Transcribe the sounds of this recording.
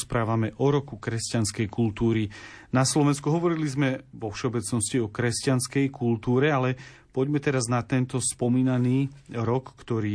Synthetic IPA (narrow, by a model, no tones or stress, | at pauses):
spɾaːʋamɛʔɔɾɔkukɾɛscanskɛjkult̪uːɾinaslɔʋɛnskuɦɔʋɔɾilizmɛʋɔfʃɛɔbɛt͡snɔsciɔkɾɛscanskɛjkult̪uːɾɛalɛpɔɟmɛt̪ɛɾaznat̪ɛnt̪ɔspɔmiːnaniːɾɔkːt̪ɔɾiː